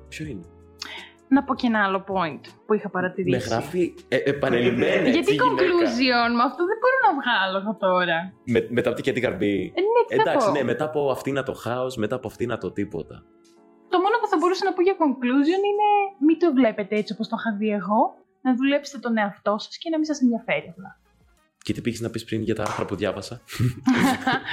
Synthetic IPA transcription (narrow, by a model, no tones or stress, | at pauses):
pçoine | nɐpo̞cenɐɐlo̞po̞int̪puixɐpɐɾɐt̪iɾieɣɾɐfieepɐnelimenʝɐt̪ikoŋkluzionmuɐft̪oðebo̞ɾonɐvɣɐloeɣot̪o̞ɾɐmemet̪ɐpot̪icet̪ikɐ̰ɾbineɐd̪ɐsosnemet̪ɐpoɐft̪inɐt̪o̞xɐosmet̪ɐːpoɐft̪inɐt̪ot̪ipo̞̰t̪ɐ | t̪o̞mo̞nopuθɐbo̞ɾusɐnɐpoʝɐko̞ŋkluzio̞nine̞mit̪ovle̞pe̞t̪eet͡siopost̪oxɐvie̞ɣo̞ | nɐðule̞pset̪et̪one̞ɐft̪o̞sɐ̥scenɐmis̬ɐsenðʝɐfe̞ɾiɐft̪ɐ | cet̪i̥piçiznɐpispɾinʝɐt̪ɐɐ̰ɾθɾɐpuðʝɐvɐsɐ